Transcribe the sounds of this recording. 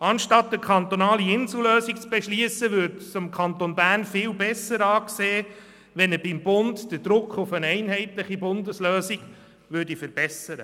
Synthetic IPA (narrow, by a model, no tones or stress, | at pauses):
ɑnʃtɑtːəkʰχɑnt̪onɑːliɪnsuløːsik̚t͡sb̥ɛʃliəsəʋʏːɾtsʊmkʰɑnt̪onbæːrnfɪːwbɛsːəɾɑːkseː | ʋɛnəbɪmbʊntd̥əd̥ɾʊkʰχʊfənɛɪnɦɛɪtləχibʊndəsløːsiɡ | ʋʏːɾdifəɾb̥ɛsəɾə